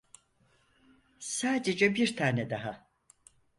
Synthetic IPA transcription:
saːd̪ed͡ʒɛbiɾt̪ʰaːnɛd̪aɦa

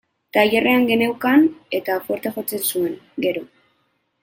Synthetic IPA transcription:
t̪ajere̞aŋɡe̞newkane̞t̪afo̞ɾt̪eʝo̞t͡se̞nsue̞ŋɡe̞ɾo̞

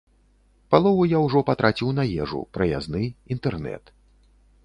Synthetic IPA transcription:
palˠɔvujawʐɔpat̪ɾʔat͡sʲiwnɐjɛʐṵpɾɐja̰znɨint̪ɛrnɛ̰t̪

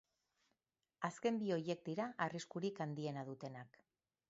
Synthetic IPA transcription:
aske̞mbio̞je̞k̚t̪iɾaʔariskuɾikand̪ie̞naðut̪e̞nak

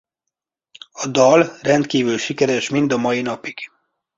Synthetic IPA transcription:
ɒd̪ɒlrɛnt̪kiːvylʃikɛɾɛʃmind̪ɒmɒjinɒpiɡ̥

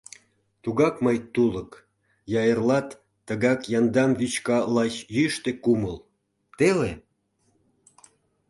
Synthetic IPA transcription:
t̪uɣɑkməjt̪ulək | jɑjərlɑt̪ː | əɣɑkjɑnd̪ɑmβyt͡ɕkɑlɑt͡ɕjyʃt̪ekuməl | t̪ele

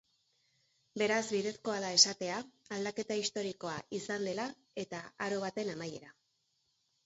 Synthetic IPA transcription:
be̞ɾazβiðe̞sko̞alae̞sat̪e̞aald̪ake̞t̪aist̪o̞ɾiko̞aisand̪e̞la | e̞t̪aaɾo̞βat̪e̞namaje̞ɾa

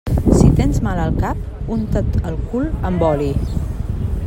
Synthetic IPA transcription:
sit̪enzmaləlˠkap̚ | unt̪ot̪əlˠkuləmbɔli

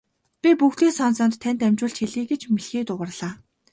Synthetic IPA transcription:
pʲipuxt̪eːsɔnsɔːnt̪ʰːænʲt̪æmʲt͡ɕʊːɬt͡ɕxeɮiːɡet͡ɕmiɮxiːt̪ʊʁə̆rɮaː

